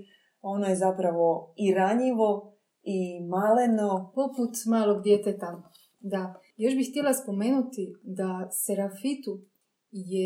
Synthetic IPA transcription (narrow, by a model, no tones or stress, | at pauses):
o̞nojezapɾaʋo̞iɾaɲiʋo̞ | imalenopo̞put̪maːlo̞ɡd̪jeːt̪et̪a | d̪a | jo̞ʃbixt̪ijelaspo̞me̞ːnut̪id̪aseɾafit̪u | je